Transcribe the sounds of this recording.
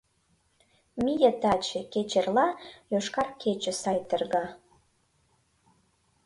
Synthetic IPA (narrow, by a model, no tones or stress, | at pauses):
mʲijət̪ɑt͡ɕeket͡ɕerlɑjoʃkɑrkʰet͡ɕə̆sɑjt̪ərɣɑ